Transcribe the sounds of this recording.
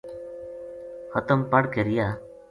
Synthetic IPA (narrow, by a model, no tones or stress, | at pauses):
hʌt̪əmpaɽkeɾija